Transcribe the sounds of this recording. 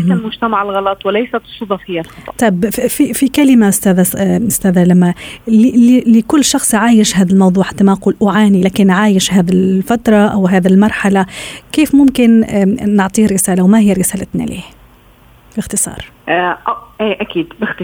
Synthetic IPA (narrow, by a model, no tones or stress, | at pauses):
malmʊd͡ʒt̪amaʕɪlɣɑlɑt̪ˤwɪlajsat̪sˤud̪ˤɑfɪjːalxɑˤt̪ˤɑbfifikalɪmaʔʊst̪aːðaʊst̪æːðalamːalɪlɪkʊlːʃɑxsˤʕaːjɪʃɦaːðalmɑwðˤuːʕħḁt̪ːamaquːlʔʊʕaːnilaːkɪnʕaːjɪʃɦaːðɪlfat̪ɾˤɑʔawɦaːðɪlmɑɾˤħalakeːfmʊmkɪnnɪʕt̪ˤiːɾɪsaːlawmahɪjːɾɪsaːlat̪na̰lḛːh | bɪxt̪ɪsˤɑ̰ːɾˤ | ʔʔiːʔakiːd̪bɪxt̪